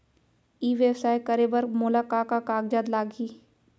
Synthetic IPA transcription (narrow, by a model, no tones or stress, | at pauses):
iːʋjəbsaːekəɾebəɾmʊlaːkaːkakaːɡd͡ʒaːd̪laːɡiː